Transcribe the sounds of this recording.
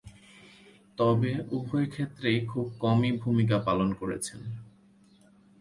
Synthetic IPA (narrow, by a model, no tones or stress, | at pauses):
t̪ɔbeubʱɔekʰet̪ːɾejkʰub̚kɔmibʱumik̬apalonkoɾḛt͡ɕʰen